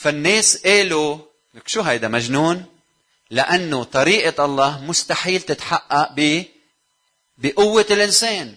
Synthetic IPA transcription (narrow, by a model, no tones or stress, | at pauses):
fanːeːsʔeːlu | nkʃuːɦajd̪amaʒnuːn | lɪʔanːot̪ˤɑɾiːʔɑʔɑlˤːɑːhmʊst̪aħiːlt̪ɪt̪ħaʔːaʔbi | bɪʔʊwːalʔɪnseːn